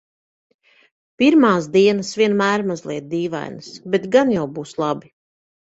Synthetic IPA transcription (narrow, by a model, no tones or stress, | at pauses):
piɾmaːsd̪iɛnəsvʲiɛnmæːɾmazlˠiɛd̪̚d̪iːva̰jnɨsbɛt̪ɡanjawbuːslˠabi